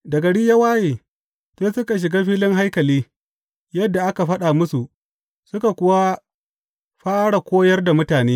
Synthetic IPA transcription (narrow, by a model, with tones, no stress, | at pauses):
dɐ˨ɡɐ˨ɽi˦ja˦waː˦jeː˨ | seː˦sʊ˦ka˨ʃ̬ɪ˨ɡaː˦ɸiː˦lɪ˦ŋɦa˦jkɐ˨liː˦ | jɐ˦dːa˨ʔa˦ka˨ɸɐ˦ɗa˨mʊ˦su˨ʔ | sʊ˦ka˨kʷʊ˦wa˦ | ɸaː˦ɽa˨kʷoː˦jɐ˦rda˨mʊ˦taː˨neː˦